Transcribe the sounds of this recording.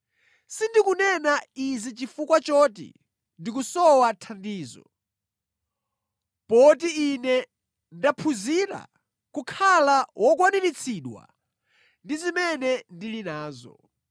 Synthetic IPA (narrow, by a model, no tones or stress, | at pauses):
sindikunɛnaizit͡ʃifukwat͡ʃɔt̬ḭ | ndikusɔwatʰandiːzɔ̰ | pɔt̬iːnɛ | ndapʰuziɾa̰ | kukʰalawʔɔkwaninit͡sʰiːɗwa̰ | ndizimɛnɛndilinaːzɔ̰